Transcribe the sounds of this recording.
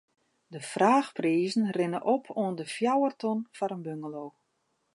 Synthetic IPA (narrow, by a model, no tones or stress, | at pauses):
dəfraːxpriːzən̩rɪnəʔɔpʰoəndəfjawərtɔnfɔɾənbøŋɡəloː